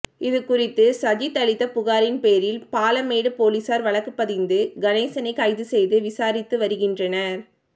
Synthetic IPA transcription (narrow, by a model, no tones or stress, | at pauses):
ɪðɯkːʊrɪt̪ːɯsɐd͡ʒit̪ːɐɭɪt̪ːɐpʊɣaːɾɪnpeːɾɪlpaːlɐmeːɽɯpoːliːsaːɾʋɐɭɐkːɯpːɐðɪnd̪ɯɡɐneːsɐnɐɪkːɐɪðɯsɛjðɯʋɪsaːɾɪt̪ːɯʋɐɾɯɣɪndrɐnɐɾ